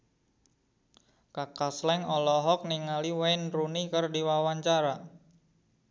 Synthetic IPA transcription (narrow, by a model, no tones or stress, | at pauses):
kakaslɛŋɔlɔɦɔk̚niŋaliwajnrunikərdiwawaɲt͡ʃaɾa